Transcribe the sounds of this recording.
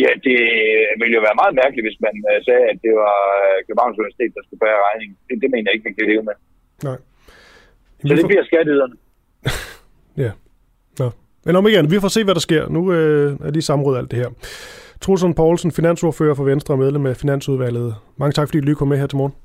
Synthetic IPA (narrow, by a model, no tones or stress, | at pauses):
jæd̥e̝ʋiləjo̝ʋæːɐmɑ̈ːð̩ˠmæɐɡ̥liʋe̝smænsɛːæd̥e̝ʋɑ̈kʰlmɑ̈ʊnsuiʋæɐsi̥t͡sʰe̝ːd̥ɑ̈sɡ̥ubæːɐʁɑ̈ɪne̝ŋd̥ed̥e̝me̝ːnəjɑe̝ɡ̥əmænkʰæle̝ːʊəme | nɑ̈ɪ̰ | jæmd̥ebliɐsɡ̥ædyð̰ˠɐnə | jæ | nɒ | menɒmeɡæn̩ʋifɒ̰ːse̝̰ːʋæɾ̥ɑ̈sɡ̥e̝ɐ̰nuøæɐliːsɑ̈m̩ʁɔ̽ð̩ˠæl̰d̥e̝hæɐ̰t͡sʰʁos̬ɔnpʰɒʊlsən̩finæn̰so̝ɐfø̰ːɐfɒ̽ʋensd̥ʁɐːmeðˠlemæfinæn̰suð̞ˠʋæl̰ð̞̩ˠmɑ̈ŋət͡sʰɑ̥fɒdḭd̥ulykʰɒ̽mmeɦeɐ̰t͡sʰe̝mɒːn̩